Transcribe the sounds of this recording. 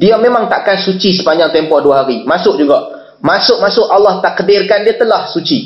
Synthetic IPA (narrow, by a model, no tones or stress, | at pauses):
diamẽmãŋt̪aʔkansut͡ʃisə̥paɲalt̪empɔhduaɦaɾimasʊk̚d͡ʒuɡaʔ | masʊk̚masʊʔalːaht̪aʔkədɪrkandiat̪əlahsut͡ʃi